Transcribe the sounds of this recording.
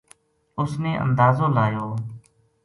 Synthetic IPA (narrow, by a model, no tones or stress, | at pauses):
ʊsneːʔə̰̃nd̪aːzõːlaːjoː